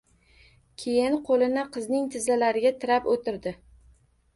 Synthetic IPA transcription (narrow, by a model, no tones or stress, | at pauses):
kʲʰejɪnqʰolˠɪnɪqʰɨznɪŋt̪ʰɪzalaɾɪɡʲat̪ʰɪɾapot̪ʰɪɾd̪ɪ